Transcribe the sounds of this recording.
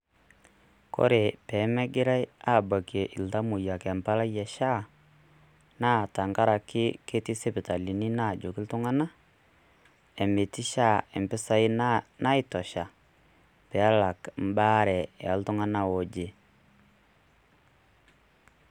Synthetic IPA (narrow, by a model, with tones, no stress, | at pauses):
kɔ̰˦ɾe˨pɛ˨˦mɛ˦ɡɪ˦ɾa˦ja˦˨ba˨kje˨ʔɪ˨lta˦mu˨ja˨kɛ˨mpa˦la˦jɛ˨ʃa˦ | na˦˨ta˨ŋɡa˦ɾa˨kɪ˦ke˦tɪ˦se˦pɪ˨ta˨li˨ni˦na˦˨d͡ʒo˨kɪ˦ltʊ˦ŋa˦na˦ | ɛ˨me˨tɪ˦ʃa˦˨ɛ˨mpɪ˦sa˦ɪ˦na˦ɪ˦tɔ˨ʃa˨ | pɛ˨a˦la˨km̩˦ba˦ɾɛ˨a˨˦ltʊ˦ŋa˦na˨wo˨d͡ʒe˨